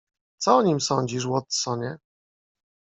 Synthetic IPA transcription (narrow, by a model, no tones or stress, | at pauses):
t̪sɔɔɲimsɔɲd͡ʑiʂ̬wɔt̪sɔɲɛ